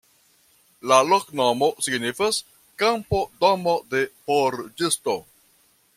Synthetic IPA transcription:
laloknomosiɡnifas | kampodomode̞poɾd͡ʒisto

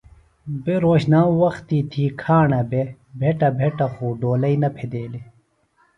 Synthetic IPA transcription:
beɾoːɕnaːwɐxt̪iːt̪ʰiːkʰaːɳɐbe | bʱeʈɐbʱeʈɐxuːɖoːlɐinɐpʰed̪eːli

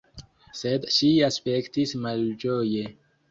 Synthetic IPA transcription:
sed̪ʃiaspekt̪ismald͡ʒoje

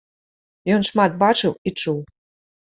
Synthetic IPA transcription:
jonʃmɑt̪̚bɑt͡ʃɨwit͡ʃuw

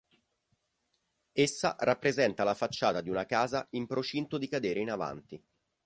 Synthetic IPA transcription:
esːa̰rapːɾezɛnt̪alafat͡ʃːaːt̪ad̪iunakaːzaimpɾot͡ʃint̪od̪ikad̪eːɾeinava̰nt̪i

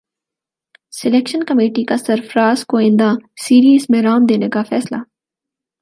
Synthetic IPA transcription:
sɪleːkʃənkəmeːʈikasɪɾfɾaːzkoɪ̃nd̪asiːɾiːzmẽɾaːmd̪eːnekafʰɛːslaː

